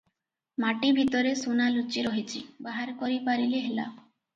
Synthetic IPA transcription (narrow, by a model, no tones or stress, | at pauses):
maʈibʱit̪ɔɾesunalut͡ʃiɾoɦit͡ʃʰibaɦaɾkɔɾipaɾileɦela̰